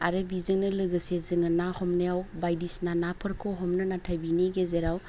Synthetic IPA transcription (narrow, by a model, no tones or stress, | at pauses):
a̰ɾɯbizɯŋnɯlɯɡɯsezɯŋɯnahɔmnejawbajdisnanapʰɯɾkʰɔɦɔmnɯnatʰajbiniɡezeɾaw